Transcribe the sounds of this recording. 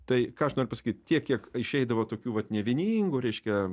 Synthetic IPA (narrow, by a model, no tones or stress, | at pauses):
t̪ɐɪkɑːɐʃnoːɾʲʊpɐsɐ̥kʲiːt̪t̪ʲiɛkʲiɛkɪʃʲɛɪd̪ɐʋoːt̪oːkʲuːʋɐt̪nʲɛʋʲɪnʲiːŋɡuɾʲɛɪʃʲkʲɛ